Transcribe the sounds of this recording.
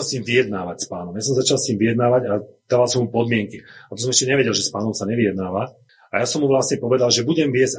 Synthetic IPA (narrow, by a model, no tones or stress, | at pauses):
lsɲiːmʋijɛd̪naːʋacspaːnɔmjaːs̬ɔmzat͡ʃalsɲiːmʋijɛd̪naːʋaɟad̪̥aːʋalsɔmupɔd̪mɪɛŋkiat̪ɔsɔmɛʃcɛɲɛʋɛɟɛlʒɛspaːnɔmsaɲɛʋijɛd̪naːʋa | ajasɔmɦuʋlasɲɛpɔʋɛd̪alʒɛbuɟɛmʋɪɛz